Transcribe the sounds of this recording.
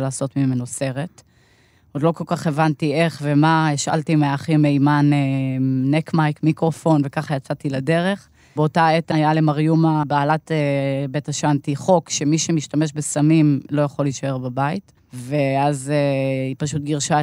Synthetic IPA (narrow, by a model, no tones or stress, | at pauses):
laːso̞tmime̞nose̞ʁet | od̪lo̞ko̞lkaχe̞vantie̞χve̞maiʃa̰ltimeaχimeimanenekmajkmikʁofo̞nve̞kaχajat͡satilade̞ʁe̞χ | beo̞taetajale̞maʁjumabaːlatebetaʃantiχo̞kʃe̞miʃemiʃtameʃbesamimlo̞jaχo̞liʃae̞ʁbabait | veazeipaʃutɡiʁʃa